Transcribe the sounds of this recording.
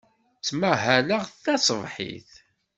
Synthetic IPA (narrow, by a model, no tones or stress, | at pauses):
t͡sːmæɦælaʁθθɑsˤəvħḭθ